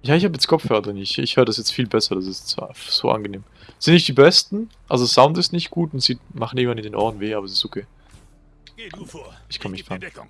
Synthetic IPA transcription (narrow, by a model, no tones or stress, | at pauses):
jaːɪçhaːbəjɛt͡skʰɔfœɐdəʁənɪɪçɪçhøːʁədasjɛt͡stfiːlbɛsɐd̥as̬ɪsfz̥o̰ːʔa̰nɡəneːm | z̥ɪnnɪçtd̥iːbɛstn̩ | ʔa̰lzosaʊntɪstnɪçtɡ̥uːtʊntz̥iːmaχn̩ɪɡŋvanɪndeːnʔɔ̰ɐdn̩veːʔaːbɐɛsɪstokʰeː | ɪçkʰɔməmɪçtfʁan